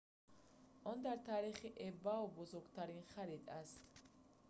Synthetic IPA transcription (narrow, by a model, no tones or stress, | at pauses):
ʔɔnd̪aɾt̪ʰaːɾiχiʔɛbawbɔzɔɾɡt̪ʰaɾinχaɾid̪ʼast̪